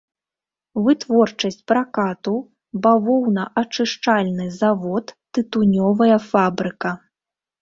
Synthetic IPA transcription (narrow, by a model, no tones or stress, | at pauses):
vɨt̪vɔrt͡ʂɐsʲt͡sʲpɾakat̪u | bavɔwnɐʔat͡ʂɨʂt͡ʂalʲnɨzavɔt̪ːɨt̪unʲɔvɐjɐfabɾɨkɐ